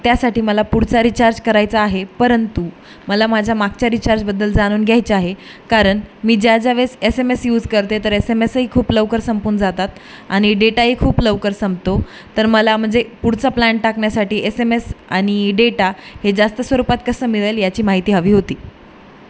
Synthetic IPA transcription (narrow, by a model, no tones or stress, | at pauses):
t̪jasaʈiːməlapuɽ̤t͡saɾit͡ɕaɾd͡ʑkəɾajt͡saːɦepəɾənt̪u | məlamad͡ʑʱamak̚t͡ɕjaɾit͡ɕaɾd͡ʑbəd̪ːəld͡zaɽ̃uːnɡʱjajt͡ɕaɦe | kaɾəɳmiːd͡ʑad͡zaʋesesemesjuːd͡zkəɾt̪et̪əɾesemesəɦiːkʰuːpləʋkəɾsəmpuːnd͡zat̪at̪ | aɽ̃iɖeʈaɦiːkʰuːpləʋkəɾsəmbt̪oː | əɾməlam̤əɳd͡zepuɽ̤t͡saplaɳʈakɳjasaʈiːʔesemesaɽ̃iɖeʈahed͡zast̪əsʋəɾupat̪̚kəsəːmiɭajljat͡ɕiːmaɦit̪iːɦəʋiːɦot̪iː